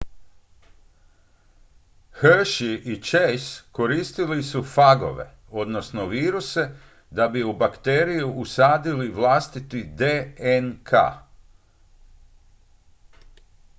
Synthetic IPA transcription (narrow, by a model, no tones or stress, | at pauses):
xrʃiʔit͡ʃejsko̞ɾiːst̪ilisufaɡo̞̰ʋe̞̰ | o̞d̪no̞sno̞ʋiːɾuse̞ | d̪abiubakt̪eːɾijuʔusaːd̪iliʋlˠaːst̪it̪id̪eenkʰa̰